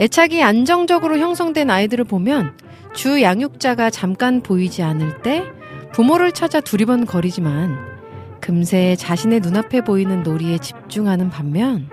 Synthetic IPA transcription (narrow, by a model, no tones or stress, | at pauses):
e̞t͡ɕʰaɡiand͡ʑʌŋd͡ʑʌɡɯɾoçjʌŋsʰʌŋdwe̞naidɯɾɯɭpomjʌn | t͡ɕujaŋjuk̚t͡ɕ͈aɡat͡ɕamk͈anpoid͡ʑianɯɭt͈e̞ | pumoɾɯɭt͡ɕʰad͡ʑatuɾibʌnkʌɾid͡ʑiman | kɯmsʰe̞ːt͡ɕaɕʰine̞nunapʰe̞boinɯnːoɾie̞t͡ɕi̥p̚t͡ɕ͈uŋɦanɯnpamːjʌn